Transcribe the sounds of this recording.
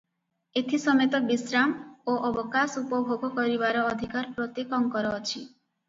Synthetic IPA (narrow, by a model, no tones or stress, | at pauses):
et̪ʰisɔmet̪ɔbisɾamoʔɔbɔkasupɔbʱoɡɔkɔɾibaɾɔːd̪ʱikaɾpɾot̪ekɔŋkɔɾɔːt͡ʃʰi